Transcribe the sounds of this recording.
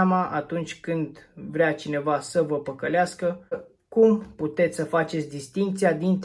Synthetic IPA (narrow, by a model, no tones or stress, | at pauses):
amaʔat̪unt͡ʃʲkɨnd̪vɾeat͡ʃine̞vasəvəpəkəleaskə | kumput̪e̞t̪sʲsəfat͡ʃe̞t̪sʲd̪ist̪iŋk̚t̪sijad̪int̪